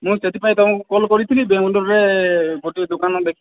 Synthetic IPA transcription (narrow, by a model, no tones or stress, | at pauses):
mũset̪ipaĩt̪ɔmãkukɔlkɔɾit̪ʰilibeɦuɖɔɾɾeɡoʈid̪okanɔd̪ekʰ